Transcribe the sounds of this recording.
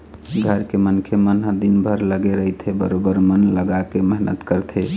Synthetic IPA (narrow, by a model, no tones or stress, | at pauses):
ɡʱəɾkemənkʰemənɦəd̪inbʱəɾləɡeɾəjt̪ʰebəɾobəɾmənləɡakeməɦnət̪kəɾt̪ʰe